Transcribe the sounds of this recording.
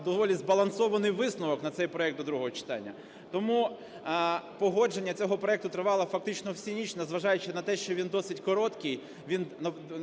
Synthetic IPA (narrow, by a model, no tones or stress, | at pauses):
d̪ɔʋɔlʲizbɐlˠɐnsɔʋɐnɪjʋɪsnʊʋɔknɐt̪sɛjpɾɔɛk̪̚ɔd̪ɾuɦɔɦɔt͡ʃɪ̥t̪ɑ̰nʲːɐ | t̪ɔmu | pɔɦɔd͡ʒenʲːɐt͡sʲɔɦɔpɾɔɛkt̪ʊt̪ɾɪʋɑlˠɐfɐk̚t̪ɪt͡ʃnɔwsʲinʲit͡ʃnɐzʋɐʒɑjʊt͡ʃɪnɐt̪ɛʃt͡ʃɔʋʲind̪ɔsɪtʲkɔɾɔt̪kɪj | ʋʲinɐ